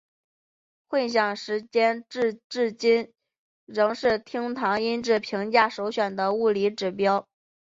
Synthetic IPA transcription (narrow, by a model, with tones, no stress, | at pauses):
xwe˥˩ɪɕ̬jɑ˨˩ŋʂɻ̩˧˥t͡ɕjɛ˥nʈ͡ʂ̩˥˧ʈ͡ʂɻ̩˥˩t͡ɕi˥n | ɻɤ˧˥ŋʂɻ̩˥˩t̪ʰi˥ŋt̪ʰɑ˧˥ŋi˥nʈ͡ʂɻ̩˥˩pʰi˧˥ŋt͡ɕja˥˩ʂo˧˥ʊɕɥɛ˨˩nd̪ə˦u˥˩li˧˥ʈ͡ʂɻ̩˨˩pjɑ˥ʊ